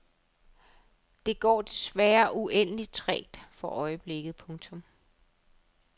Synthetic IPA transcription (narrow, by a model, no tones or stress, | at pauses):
d̥e̝ɡ̥ɒ̰ːd̥e̝sʋæːɐʔuʔen̰əlit͡sʰʁɛ̰ːd̥fɒ̽ʔɒ̽ɪəb̥le̝ɡ̥ð̩ˠpʰɔ̽ŋt͡sʰɔ̽m